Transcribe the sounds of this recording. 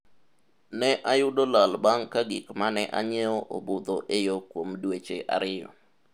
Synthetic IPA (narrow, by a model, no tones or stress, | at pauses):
nɛʔajʊdolalbaŋkaɡḭkmanɛʔa̰ɲɛɔʔobod̪oʔejokwomdwet͡ʃeʔa̰ɾɪjɔ̰